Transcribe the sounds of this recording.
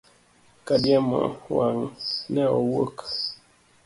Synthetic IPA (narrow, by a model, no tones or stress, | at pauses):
kadjama̰waŋnɛɔwok